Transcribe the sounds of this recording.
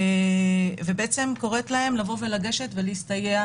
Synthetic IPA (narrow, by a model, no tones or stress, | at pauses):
vebeʔet͡se̞mko̞ʁet̪laɦe̞mlavo̞ve̞laɡe̞ʃe̞tve̞liist̪ajea